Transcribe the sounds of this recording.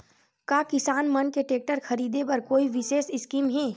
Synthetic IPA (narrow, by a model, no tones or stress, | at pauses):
kaːkɪsaːnmɐnkeʈeːk̚ʈəɾxʰɐɾiːd̪epɐɾkoːiʋɪʃeːsɪskiːmɦɛː